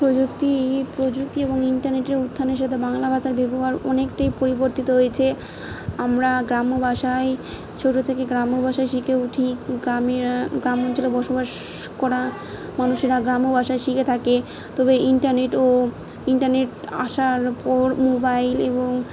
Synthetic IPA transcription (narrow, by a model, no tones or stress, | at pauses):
pɾod͡ʑuk̚t̪ipɾod͡ʑuk̚t̪ieboŋiɳʈaɾneʈeɾud̪ʱːaneɾʃat̪ʰebaŋlabʱad͡ʑaɾbʱeboaɾɔnekʈajpoɾiboɾt̪it̪oɦojet͡ɕʰe | amɾaɡɾamobaʃae | t͡ɕʰoʈːot̪ʰekeɡɾamobʱaʃajʃikʰeuʈʰiɡameɡɾamɔnt͡ɕolebɔɾʃobaʃ | kɔɾa | manuʃeɾaɡɾamobaʃajʃikʰet̪ʰake | t̪ɔbeiɳʈaɾneʈo | iɳʈaɾneʈa̰ʃaɾpɔɾmobajleboŋ